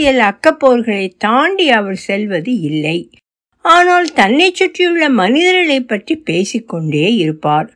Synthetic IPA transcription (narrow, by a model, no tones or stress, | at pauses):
jɐlɐkːɐpːoːɾɣɐɭɐɪt̪aːɳɖiɐʋɐɾsɛlʋɐðɯɪlːɐɪ | aːnaːlt̪ɐnːɛt͡ʃːʊʈrɪjɯɭːɐmɐnɪðɐɾɐɭɐɪpːɐʈripeːsɪkːɔɳɖeːɪɾɯpːaːɾ